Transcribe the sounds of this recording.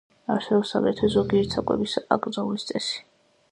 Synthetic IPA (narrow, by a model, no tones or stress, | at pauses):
asɛvɛsa̰mɛt̪ʰɛzɔɡiɛɾt̪sʰakʼwɛ̰bisa̰kʼɾd̪zaulist̪sʼɛsi̥